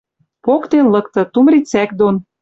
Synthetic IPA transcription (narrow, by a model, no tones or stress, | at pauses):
pokt̪enlɤ̆k̚t̪ɤ̆t̪umrit͡sækd̪on